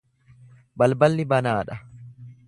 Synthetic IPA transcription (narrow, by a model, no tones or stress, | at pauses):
bɐlbɐlːɪbɐnaːᶑɐ